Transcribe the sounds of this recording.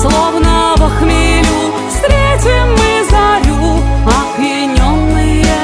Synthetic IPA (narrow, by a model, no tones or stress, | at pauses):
slˠɔvnəvɐxmʲilʲu | fst̪ɾʲetʲimːɨzaɾʲuɐbjɪnʲɔnːɨjə